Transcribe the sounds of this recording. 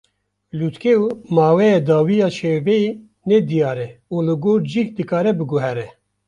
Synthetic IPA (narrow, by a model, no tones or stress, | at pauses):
lut̪keumɑːwɛjɛːd̪ɑːwijɑːʃebɛe | nɛd̪ijɑːɾɛuːlɨɡoːɾd͡ʒikd̪ɨkɑːɾɛbɨɡuɦɛɾɛ